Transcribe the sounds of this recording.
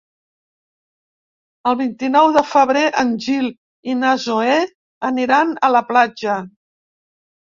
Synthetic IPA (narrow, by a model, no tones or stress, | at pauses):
əlˠβint̪inɔwðəfəβ̞ɾeʔənʒil | inazoe | əniɾanələplad͡ʒə